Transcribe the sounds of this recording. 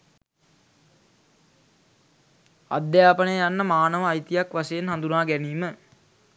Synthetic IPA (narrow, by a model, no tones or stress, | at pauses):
a̰d̪jaːpənəjəjanːəmaːnəʋəajt̪ijakʋasejenɦand̪unaːɡɛniːmə